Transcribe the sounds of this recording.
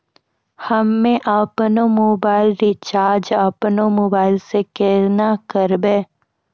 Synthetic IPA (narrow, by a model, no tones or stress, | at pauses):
həmːẽʔapnomoːbaːɪlɾit͡ʃaːɾd͡ʒaːpnomoːbaːɪlsekeːɾnakəɾbeː